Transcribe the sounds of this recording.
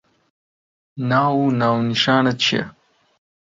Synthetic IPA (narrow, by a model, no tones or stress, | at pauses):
naːwunaːwniʃaːnɐt͡ɕʰɐ̰